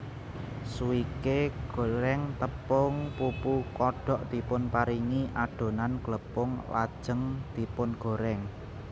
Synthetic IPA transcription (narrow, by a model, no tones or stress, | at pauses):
suikeɡ̥o̤ɾɛŋt̪əpʊŋpupukɔɖ̥ɔ̤ʔd̪̥i̤pʊnpaɾiŋiʔaɖ̥o̤nanɡ̥ləpʊŋla̰d̥ʒ̥ə̤ŋd̪̥i̤pʊnɡ̥o̤ɾɛŋ